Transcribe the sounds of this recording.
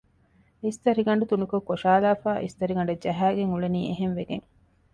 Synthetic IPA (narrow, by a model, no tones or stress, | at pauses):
ist̪ɐɾiɡɐɳɖut̪unukokːoʃaːlaːfaːʔḭst̪ɐɾiɡɐɳɖɐd͡ʒɐɦæːɡeŋuɭeniːeɦenʋeɡeŋ